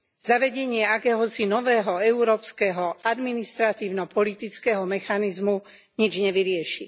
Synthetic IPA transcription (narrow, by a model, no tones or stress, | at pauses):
z̥aʋɛɟɛɲɪɛakɛːɦɔsinɔʋɛːɦɔɛuɾɔːpskɛɦɔad̪minist̪ɾat̪iːʊnɔpɔlit̪it͡skɛːɦɔmɛxanizmu | ɲid͡ʒɲɛʋiɾɪɛʃḭ